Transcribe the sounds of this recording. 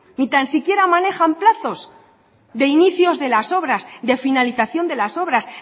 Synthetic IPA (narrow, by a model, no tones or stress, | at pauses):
nit̪ansikje̞ɾamane̞xamplaθo̞z | d̪e̞iniθjo̞zðe̞laso̞βɾazd̪e̞finaliθaθjo̞nd̪e̞laso̞βɾas